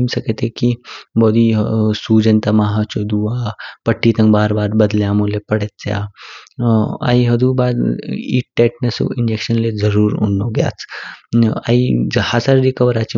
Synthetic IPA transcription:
imsəket̪ekibɔd̪isud͡ʑənt̪amaɦat͡ɕod̪uapəʈːit̪əŋɡbaɾbaɾbəd̪ljamulepəɽet̪̚t͡sja̰ | a̰iɦəd̪ubad̪ḭʈʈeʈ̚nesṵiɲd͡ʑekɕənled͡zəɾuːɾṵnːoɡja̰t͡s | a̰ihasaɾɾikəʋɾat͡ɕi

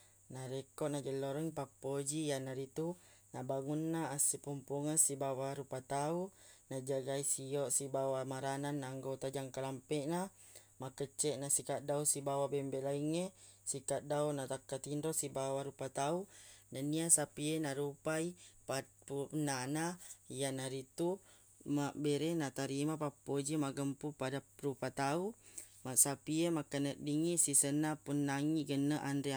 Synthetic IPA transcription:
naɾekːoʔnad͡ʒəlːoɾeŋpapːod͡ʒijanːaɾit̪u | nabaŋunːaːsipumpuŋasibawaɾupat̪aunad͡ʒaɡaisijoʔsibawamaɾananːaːŋɡot̪ad͡ʒaŋkalampeʔna | makət͡ʃːeʔnasikaʔdausibawabembelaiŋːe | sikat̪̚daunat̪akːat̪indɾosibawaɾupat̪aunaniasapienaɾupaipapunanajanaɾit̪u | maʔbeɾenat̪aɾimapapod͡ʒəmaɡəmpupadaɾupat̪aumaʔsapiemakanəʔ̚diŋiʔsisənapunːaŋiɡənəʔandɾe

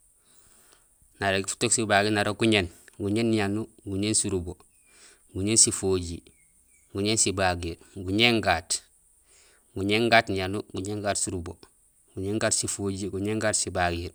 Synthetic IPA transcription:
naɾoɡifu̥toksibaɡinaɾoɡuɲenɡuɲeːnːiɲanuɡuɲeːnsuɾubo | ɡuɲensifoɟi | ɡuɲensibaɡiːɾɡuɲeŋɡaːt | ɡuɲeŋɡaːtnijanuɡuɲeːŋɡaːtsuɾubo | ɡuɲeːŋɡaːtsifoːɟiɡuɲeŋɡaːtsibaɡiːɾ

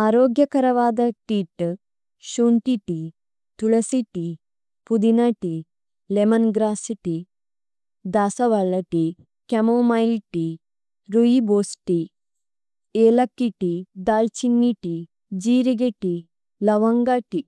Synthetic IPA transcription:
aːɾoːɡjɐkɐɾɐʋaːd̪ɐʈiʈ | ɕuɳʈiʈi | t̪uɭɐsiʈi | pud̪inaʈi | lemɐnɡɾaːsiʈi | d̪aːsɐʋɐɭːɐʈi | kɐmoːmɐjlʈi | ɾuiboːsʈi | eːlɐkːiʈid̪aːlt͡ʃinːiʈi | d͡ʒiːɾiɡeʈi | lɐʋɐŋɡaːʈi

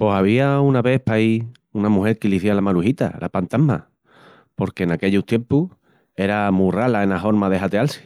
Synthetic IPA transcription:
po̞saβ̞iaunaβe̞hpai | unamũhe̞ɾkeliθialamaɾuhit̪a̰lʔa̰pant̪ama̰ | po̞ɾke̞ːnake̞ʎut̪je̞mpuh | e̞ɾamuralaenaɦo̞ɾmaðe̞ɦat̪ealse̥

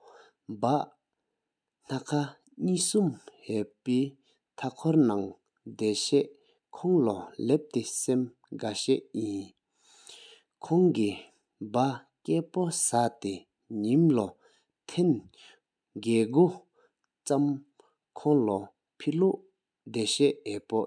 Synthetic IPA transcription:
baʔ | n̥akʰa | ɲiːsumhøʔpeː | t̪ʰakʰɔɹnaŋ | d̪ɛːɕɛʔ | kʰɔŋlɔlep̚t̪esem | ɡaɕɛʔjin | kʰɔŋki | ba | kɛːposat̪e | ɲimlɔ | t̪ʰen | ɡɛːɡo | t͡sam | kʰɔŋlɔ | pʰiluʔ | d̪eɕɛʔjeʔpɔʔ

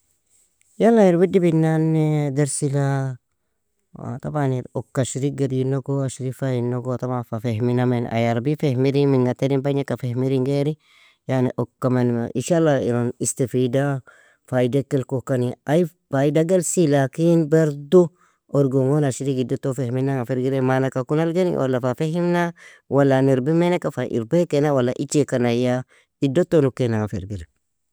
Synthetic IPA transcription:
jalːaiɾwidibinːanːed̪eɾsila | t̪abaniɾokːaʃiɾiɡadinokoaʃiɾifajinːokot̪amafafeɦminamena̰jaɾbifehmiɾimiŋɡateɾimbaɲekafehmiɾiŋɡeɾi | janiʔokːamanḭʃalːaḭɾonist̪afida | faidekːelkokaniaj | faidaɡelsilakinbeɾdu | oɾɡoŋonaʃiɾiɡidotofehminaŋafeɾɡiɾemanakakunalɡenḭwʔa̰lːafafehimna | wʔalːaniɾbimenekafaʔḭɾbekenawalːaʔit͡ʃekanaja | idotonukenaŋafḛɾɡiɾe

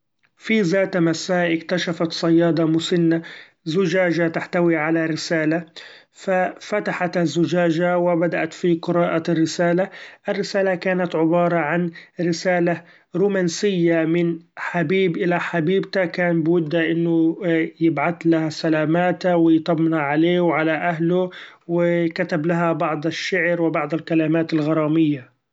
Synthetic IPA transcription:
fizaːt̪amasaːʔɪkt̪aʃafat̪sˤɑjːɑːd̪ˤɑmʊsɪnːa | zʊd͡ʒaːd͡ʒat̪aħt̪awiʕalaɾɪsaːla | fafat̪aħat̪azːʊd͡ʒaːd͡ʒawɪbad̪aʔat̪fiqɨɾɑːʔarːɪsaːlaʔɪrːɪsaːlakaːnat̪ʕɪbɑːɾˤɑʕanɾɪsaːla | ɾuːmaːnsɪjːamɪnħabiːbʔɪlaħabiːbt̪akaːnbɪwʊd̪ːaʔɪnːʊjɪbʕad̪lahasalaːmaːt̪awɪjt̪ˤɑmːɪnaʕaleːwʕalaʔaɦlʊwɪkat̪ablaɦabɑʕd̪ˤɪʃːaʕɾwɪbɑʕd̪ˤɪlkalaːmaːt̪ɪlɣɑɾˤɑːmɪjːa

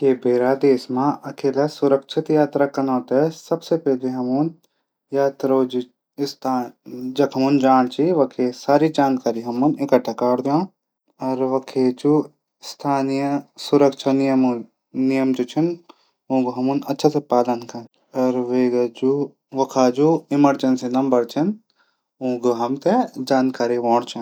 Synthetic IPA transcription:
keːbʱeːɾaːd̪eːsmãʔɐkeːlesʊɾɐkʃʰɪt̪jaːt̪ɾakɐnõːt̪esɐbsepɛɦleɦɐmuːn | jaːt̪ɾoːd͡ʒ | ɪst̪ʰad͡ʒɐkɦɐmund͡ʒaːɳ̃t͡ʃʰiʋɐkʰeːsaːɾid͡ʒaːnkaːɾiɦɐmunɪkɐʈʰːakaːɾd̪ijãː | ɐɾʋɐkʰeːd͡ʒu | st̪ʰaːnijɐsʊɾɐkt͡ʃʰanijɐmu | nijɐmd͡ʒut͡ʃʰɐn | ũːɡɦɐmunɐtːʃʰasepaːlɐnkɐɾ | ɐɾʋeːɡɐd͡ʒu | ʋɐkʰaːd͡ʒuːɪmɐɾd͡ʒɐnsinɐmbɐɾt͡ʃʰɐn | ũːɡuɦɐmt̪ed͡ʒaːnkaːɾiʋoːɽt͡ʃʰɐn

